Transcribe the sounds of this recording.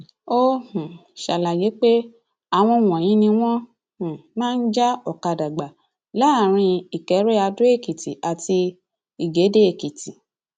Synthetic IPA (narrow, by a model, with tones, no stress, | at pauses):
o˦hũ˨ʃa˨la˨je˨˦k͡pe˦ | a˨w̃ɔ̃˧˨w̃ɔ̃˨j̃ĩ˨˦nĩ˧w̃ɔ̃˦ | hũ˨mãː˦˧n̩˦d͡ʒa˦ɔ˨ka˨da˨ɡ͡ba˨ | la˨˦˨ɾ̃ĩ˧i˨kɛ˨˦ɾe˦a˧du˦e˦˨ki˨ti˨ʔa˨ti˧ | i˨ɡe˨˦de˦e˨ki˨ti˨